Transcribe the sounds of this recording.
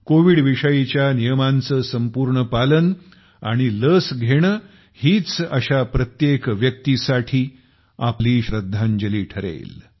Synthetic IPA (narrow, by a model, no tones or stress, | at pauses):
koʋiɽʋiʂəjit͡ɕjanijəmant͡səsəmpuːɾɳəpalən | a̰ɽ̃iləsɡʱeɽ̃ə | hiːt͡səɕapɾət̪jekʋjək̚t̪isaʈʰiː | apliːɕɾəd̪ʱːãɲd͡ʑəliːʈʰəɾḛl